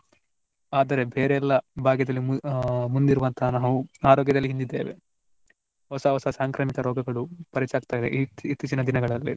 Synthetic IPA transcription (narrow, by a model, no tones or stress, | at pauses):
aːd̪ɐɾe̞bʱeːɾeɛlːɐbʱaːɡjɐd̪ɐlːimund̪iɾuʋɐnt̪ʰɐɦnaːʋuaːɾɔːɡjɐd̪ɐlːiɦind̪id̪ːeːʋe̞̰ | ɦɔsɐɦɔsɐsaːŋkɾaːmikɐɾɔːɡɐɡɐɭupɐɾit͡ʃaːɡt̪aːjid̪ḛʔit̪ːit͡ʃinɐd̪inɐɡɐɭɐlːḭ